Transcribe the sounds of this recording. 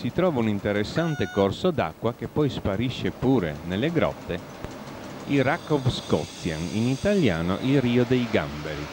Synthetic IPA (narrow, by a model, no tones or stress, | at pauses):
sit̪ɾɔːvaunint̪eɾesːant̪ekorsod̪a̰kːwak̟epːɔjspaɾiʃːepuːɾenelːeɡɾɔ̰t̪ːe | ilrakːɔfskɔ̰t̪sjanḭnit̪aljaːno̰ʔilriːod̪ejɡambeɾi